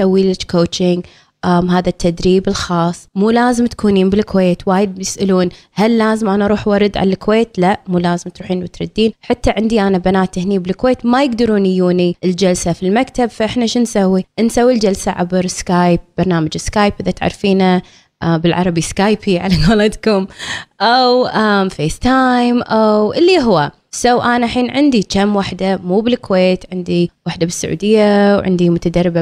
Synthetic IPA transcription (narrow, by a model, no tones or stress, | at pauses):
sawːiːlɪt͡ʃkoːt͡ʃɪŋɡ | ʔamɦaːðat̪ʰːad̪ɾiːbɪlxɑːsˤːmuːlaːzɪmt̪kuːniːmbɪlkweːt̪waːjɪd̪̚jɪsʔɪluːn | halːaːzɪmʔanaʔɑɾˤuːħwɑɾˤɨd̪ʕa̰lalɪkweːt̪laʔmuːlaːzɪmt̪ɾuːħiːnwɪt̪ɾˤɑd̪ːiːnħat̪ːaʕɪnd̪iʔanabanaːt̪ʔɪhniːbɪlkweːt̪majɪɡd̪ɑɾuːnɪjuːniʔɪld͡ʒalsafilmakt̪abfaʔɪħnaʃɪnsawːiʔnsawːild͡ʒalsaʕa̰bɾskaːjp̚b̥ɑɾˤnaːmad͡ʒɪskaːjpʔɪðat̪ʕa̰ɾˤfiːna | ʔabɪlʕɑɾˤɑbiskaːjpiʕalaɡaːlɑt̪kʊmʔawʔamfeːst̪ajmʔawʔɪlːiʔɦwa | sawʔaːnaħiːnʕɪnd̪it͡ʃamwaħd̪amuːbɪlkweːt̪ʕɪnd̪iwaħd̪abɪsːaʕṵːd̪ɪjːawʕɪ̰nd̪imʊt̪ad̪arˤːɪba